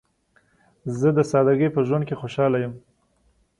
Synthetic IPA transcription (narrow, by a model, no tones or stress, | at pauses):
zəd̪əsɑd̪aɡəjpəʒwand̪kexoʃɑlajəm